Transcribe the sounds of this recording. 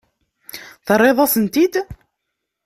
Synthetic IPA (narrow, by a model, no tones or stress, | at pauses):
θərˤːeðˤɑsənt̪id̪